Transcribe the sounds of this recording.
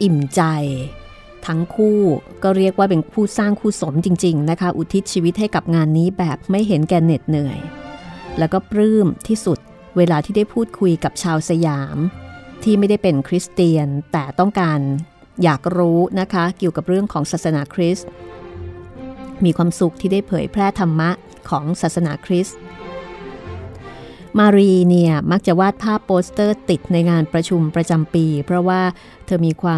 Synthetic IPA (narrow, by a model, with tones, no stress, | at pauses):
ʔi˨˩mt͡ɕa˧j | t̪ʰa˦˥ŋkʰuː˥˩kɔː˥˩ɾi˥˩ək̚waː˥˩pe˧npʰuː˥˩saː˥˩ŋkʰuː˥˩so˩˦mt͡ɕi˧ŋt͡ɕi˧ŋna˦˥kʰa˦˥ʔu˨˩t̪ʰi˦˥t̪̚t͡ɕʰiː˧wi˦˥t̪̚ha˥˩jka˨˩p̚ŋaː˧nːiː˦˥bɛː˨˩p̚ma˥˩jɦe˩˦nkɛː˧ne˨˩t̪̚nɯ˨˩əj | lɛː˦˥wkɔː˥˩pɾɯː˥˩mt̪ʰiː˥˩su˨˩t̪̚ | weː˧laː˧t̪ʰiː˥˩da˥˩jpʰuː˥˩t̪̚kʰu˧jka˨˩p̚t͡ɕʰaː˧wsa˧jaː˩˦mt̪ʰiː˥˩ma˥˩jda˥˩jpe˧nkʰɾi˦˥st̪iː˧ənt̪ɛː˨˩t̪ɔ˥˩ŋkaː˧n | jaː˨˩k̚ɾuː˦˥na˦˥kʰa˦˥ki˨˩əwka˨˩p̚ɾɯ˥˩əŋkʰɔː˩˦ŋsaː˨˩t̪̚sa˧naː˩˦˥kʰɾi˦˥st̪ | miː˧kʰwaː˧msu˨˩k̚t̪ʰiː˥˩daː˥˩jpʰɤː˩˦jpʰɾɛː˥˩t̪ʰa˧mːa˦˥ʔ | kʰɔː˩˦ŋsaː˨˩t̪̚sa˧naː˩˦kʰɾi˦˥s̚ | maː˧ɾiː˧ni˥˩əma˦˥k̚t͡ɕa˨˩waː˥˩t̪̚pʰaː˥˩pːoː˦˥st̪ɤː˥˩t̪i˨˩t̪̚na˧jŋaː˧npɾa˧t͡ɕʰu˧mpɾa˧t͡ɕa˧mpiː˧pʰɾɔ˦˥waː˥˩ | t̪ʰɤː˧miː˧kʰwaː˧